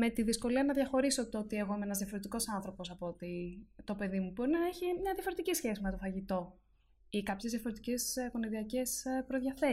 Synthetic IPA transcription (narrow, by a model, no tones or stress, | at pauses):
me̞t̪iðisko̞liɐnɐðʝɐxo̞ɾisot̪oot̪ie̞ɣo̞imeenɐzðjɐfoɾe̞t̪iko̞sɐnθɾo̞po̞sɐpot̪it̪o̞pe̞ðimubo̞ɾinɐeçimɲɐðjɐfo̞ɾe̞t̪icisçe̞sime̞t̪o̞fɐʝit̪o̞ | ikɐpçezðʝɐfoɾe̞t̪ice̞sko̞niðiɐce̞spɾo̞ðʝɐθe̞